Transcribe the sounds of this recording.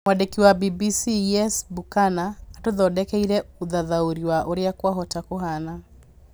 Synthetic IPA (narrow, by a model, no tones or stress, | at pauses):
mwadekiwabibisiɛsbukanaːtoðɔdɛkɛiɾɛuðaðauɾiwaʔoɾeakwaɦɔtakoɦana